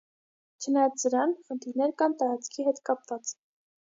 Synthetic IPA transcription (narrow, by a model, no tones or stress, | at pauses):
t͡ʃʰənɑjɑt͡ssəɾɑnχənt̪ʰiɾnɛɾkɑnt̪ɑɾɑt͡sʰkʰiɦɛt̪kɑpvɑt͡s